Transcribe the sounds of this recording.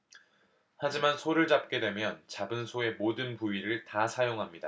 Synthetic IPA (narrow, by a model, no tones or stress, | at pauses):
had͡ʑimansʰoɾɯɭt͡ɕap̚k͈e̞dwe̞mjʌnt͡ɕabɯnsʰoe̞modɯnpuiɾɯɭtasʰajoŋɦamɲida